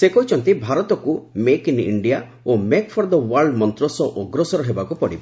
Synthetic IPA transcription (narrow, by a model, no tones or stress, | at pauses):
sekɔɦit͡ʃʰɔnt̪ibʱaɾɔt̪ɔkumekinḭɳɖija | omekpʰɔɾd̪ɔwaɾɖmɔnt̪ɾɔsɔʔɔɡɾɔsɔɾɔɦebakupɔɽibe